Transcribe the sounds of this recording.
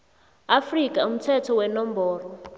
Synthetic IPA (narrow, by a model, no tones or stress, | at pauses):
afrikʼam̩tʰɛtʰɔwɛnɔmbɔːrɔ